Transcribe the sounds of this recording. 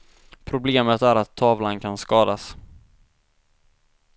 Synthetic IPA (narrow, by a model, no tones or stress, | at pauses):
pʰɾʊbleːmət̪æɾat̪ʰːɑːvlankʰanskɑːd̪as